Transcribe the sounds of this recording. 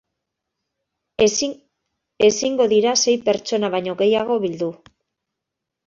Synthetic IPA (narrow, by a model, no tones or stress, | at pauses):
e̞siŋɡo̞ðiɾase̞jpe̞ɾt͡ʃo̞naβajɲo̞ɣe̞jaɣ̞o̞βild̪u